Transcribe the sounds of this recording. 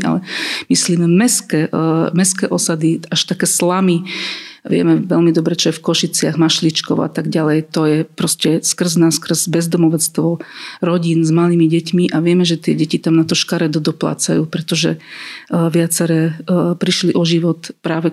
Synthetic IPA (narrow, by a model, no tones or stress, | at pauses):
a̰lɛmisliːmɛmɛskɛːmɛskɛːʔɔsad̪iaʃt̪akɛːslamiʋɪɛ̰mɛʋɛlmid̪ɔbɾɛt͡ʃɔjɛfkɔʃit͡sɪaɣmaʃlit͡ʃkɔ̰ʊa̰t̪aɡɟalɛjt̪ɔjɛpɾɔscɛskr̩znaskr̩zbɛzd̪ɔmɔʋɛt͡st̪ʋɔɾɔɟinzmaliːmiɟɛcmiʔaʋɪɛmɛʒɛt̪ɪɛɟɛcit̪amnat̪ɔʃkaɾɛd̪ɔd̪ɔpla̰ːt͡sajuːpɾɛt̪ɔʒɛ̰ | ʋɪat͡sɛɾɛːpɾiʃliʔɔʒiʋɔt̪pɾaːʋɛ